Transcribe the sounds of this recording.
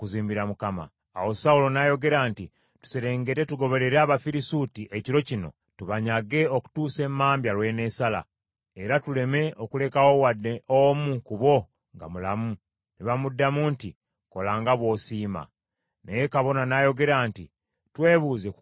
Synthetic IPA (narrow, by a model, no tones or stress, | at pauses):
kuziːmbiɾamukama̰ː | wo̞saulo̞najo̞ɡe̞ɾaːnti | tu̥se̞ɾe̞ːŋɡe̞te̞tuɡo̞βe̞ɾe̞ɾaːβafiɾisutiʔe̞ciɾo̞cino̞̰ | tuβaɲaɡe̞oku̥tuːse̞mːaːmbjalwe̞ne̞sala̰ | e̞ɾatule̞me̞o̞kule̞kawowadeomukuβo̞ | ŋɡa̰mulamu | niβamudːamunti | ko̞laːŋɡaβwo̞ːsiːma̰ | neje̞kaβo̞nanajo̞ɡe̞ɾaːnti | twe̞ːβuːze̞